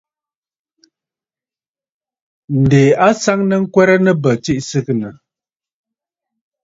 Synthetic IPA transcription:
n̩˨de˨a˦sa˦ŋnə˦ŋ̩˦kwɛ˦ɾə˦nə˦bə˨t͡si˦ʔsɨ˦knə˨

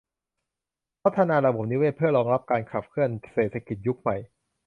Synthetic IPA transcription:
pʰa˦˥t̪ʰːaː˧naː˧laː˨˩wbo˩˦mni˦˥weː˥˩t̚pʰɯ˥˩ɐɾɔː˧ŋɾa˦˥p̚kaː˧nkʰa˨˩p̚kʰɯ˥˩ənseː˨˩t̪ʰːa˧ki˨˩t̪̚ju˦˥k̚ma˨˩j

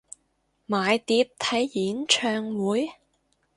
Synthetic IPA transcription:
maː˨jt̪iː˧p̚t̪ʰɐ˨˥jjiː˨˥nt͡ʃʰœː˧ŋwuː˨˥j

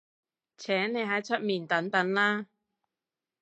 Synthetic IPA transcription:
t͡sʰɛː˨˥ŋne˨˧jɦɐ˨˥jt͡ʃʰɵ˥t̚miː˨˧nt̪ɐ˨˥ŋt̪ɐ˨˥nlaː˥

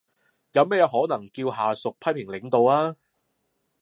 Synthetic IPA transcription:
jɐ˨˧wmɛː˥jɛ˨˧ɦɔː˨˥nɐ˨˩ŋkiː˧wɦaː˨sʊ˨k̚pʰɐ˥jpʰɪ˨˩ŋlɪ˨˥ŋt̪o˨waː˥

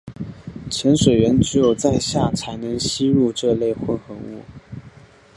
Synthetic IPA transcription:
t͡ɕʰjɛ˧˥nʂwe˨˩ɪɥɛ˧˥nʈ͡ʂɻ̩˧˥jo˨˩ʊt͡sa˥˧ɪɕja˥˩t͡sʰa˧˥ɪnɤ˧˥ŋɕi˥ɻu˥˧ʈ͡ʂɤ˥˧le˥˧ɪxwə˥˧nxə˧˥ŋṵ˥˩

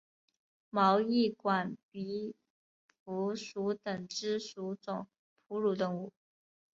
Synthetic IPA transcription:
mɑ˧˥ʊi˥˩kwa˨˩npi˧˥ | pʰu˧˥ʂu˧˥t̪ə˨˩ŋʈ͡ʂɻ̩˥ʂu˧˥t͡sʊ˨˩ŋ | pʰu˧˥ɻu˨˩t̪ə˥˩ŋu˨˩

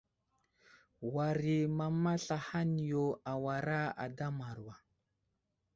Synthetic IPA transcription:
wa˨ɾi˨ma˨ma˦ɬa˨ha˦n˨jo˨a˨wa˨ɾa˦a̰˨da˦ma˨ɾwa˨

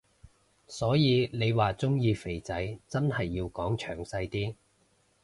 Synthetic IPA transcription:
sɔː˨˥jiː˨˧ne˨˧jwaː˨t͡sʊ˥ŋjiː˧fe˨˩jt͡sɐ˨˥jt͡sɐ˥nhɐ˨jːiː˧wkɔː˨˥ŋt͡ʃʰœː˨˩ŋsɐ˧jt̪iː˥

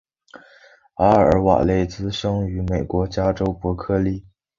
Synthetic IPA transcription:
a˥ə̰˞˧˥wa̰˨˩le˥˩ɪt͡sɹ̩˥ʂɤ˥ŋy˧˥me˨˩ɪkwɔ˧˥t͡ɕja˥ʈ͡ʂo˥ʊpwɔ˧˥kʰɤ˥˧li˥˩

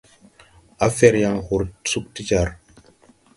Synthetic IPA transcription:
a˦fɛ˦ɾja˨ŋhu˨ɾsu˦k̚ti˦d͡ʒa˨ɾ

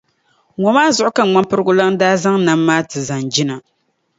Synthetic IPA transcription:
ŋɔ˨maː˦zʊ˦˨ʔʊ˦ka˦˨ŋ͡ma˦pɨ˦ɾɨ˦ɡʊ˦la˦ŋ˦daː˦za˦ŋna˦mːaː˦tɨ˨za˨nd͡ʒi˦na˨

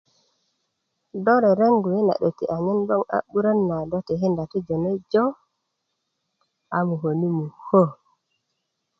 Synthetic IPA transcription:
dɔ˦ɾɛ˨ɾe˦ŋɡu˨ji˦na̰˨ɗe˨tḭ˨ʔa˨ɲɛ˦nbɔ˦ŋa̰˦ɓu˦ɾa˦nːa˨dɔ˦tɛ˨ɦi˦nda˨ti˦d͡ʒɔ˨nɛ˦jd͡ʒɔ˦ | ʔa˨mu˨ɦo˨ni˦mu˨ho˦

